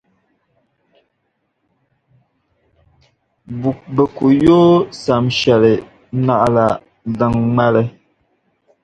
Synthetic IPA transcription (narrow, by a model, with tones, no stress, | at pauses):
bu˨k̚bə˨ku˨joː˦sa˨mʃɛ˨lɛ˨˦ | na˨ʔla˨ | da˨ŋŋ͡ma˦lɛ˨